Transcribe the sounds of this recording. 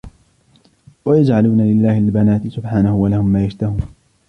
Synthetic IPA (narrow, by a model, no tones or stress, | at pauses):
wajad͡ʒʕaluːnalɪlːaːhɪlbanaːt̪ɪsʊbħaːnahʊwalahʊmːaːjaʃt̪ahuːn